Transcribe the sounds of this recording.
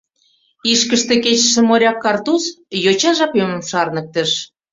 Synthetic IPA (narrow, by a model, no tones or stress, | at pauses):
iʃkəʃt̪ĕket͡ɕʃĕmoɾʲɑkːɑrt̪usjot͡ɕɑʒɑpømə̆mʃɑrnə̆k̚t̪ə̆ʃ